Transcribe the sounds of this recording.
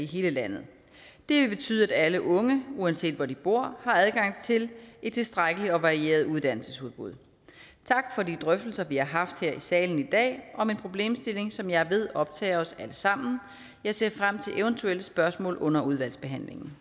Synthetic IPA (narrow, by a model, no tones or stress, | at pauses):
iɦe̝ːləlæn̰ð̞̩ˠ | d̥e̝ʋe̝lb̥e̝t͡sʰy̰ːð̩ˠæd̥æləʔɔ̽ŋəuænse̝̰ːd̥ʋɒd̥ib̥o̝ɐ̰hɑ̈æð̞ˠɡ̥ɑ̈ŋ̰t͡sʰe̝le̝d̥̚t͡sʰe̝lsd̥ʁaɡ̥əliɒ̽ʋɑ̈ʁie̝̰ːɐð̞ˠuð̞ˠd̥æn̰l̩səsuð̞ˠb̥uð̞̰ˠ | t͡sʰɑ̈ɡ̥fɒ̽did̥ʁœfd̥l̩sɐʋihɑ̈ɦɑ̈fd̥heɐ̰ʔisɛ̰ːln̩id̥ɛ̰ːʔɒ̽me̝npʰʁo̝b̥le̝̰ːmsd̥e̝le̝ŋsɒ̽mjɑ̈ɪʋe̝ð̞̰ˠɒ̽b̥t͡sʰɛ̰ːɐɒ̽sæləsɑ̈m̰n̩ | jɑ̈ɪse̝ɐfʁam̰t͡sʰe̝lʔeʊənt͡sʰuel̰əsb̥ɶɐsmɔ̰̽ːlʔɔ̽n̰ɐuð̞ˠʋæl̰sb̥e̝ɦæn̰le̝ŋn̩